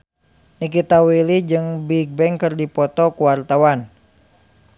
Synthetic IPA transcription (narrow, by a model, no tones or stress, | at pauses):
nik̬it̪awilid͡ʒɨŋbiɡ̚bɛŋkɨrdipɔt̪ɔkuwart̪awan